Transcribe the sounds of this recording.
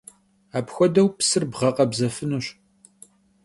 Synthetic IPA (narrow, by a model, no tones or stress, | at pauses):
aːpxʷɔdɐwpsɨrbʁɐqɐbzɐfɨnuɕ